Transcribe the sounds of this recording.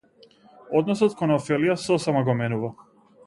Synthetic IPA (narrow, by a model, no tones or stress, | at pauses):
ɔd̪nɔsɔt̪kɔnɔfɛlijasɔsɛmaɡɔmɛnuva